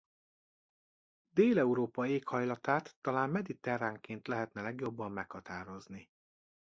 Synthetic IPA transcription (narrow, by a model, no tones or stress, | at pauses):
d̪eːlɛuɾoːpɒeːkhɒjlɒt̪aːt̪ːɒlaːmmɛd̪it̪ɛraːŋkeːnt̪lɛɦɛt̪nɛlɛɡjo̞bːɒmːɛkhɒt̪aːɾo̞zni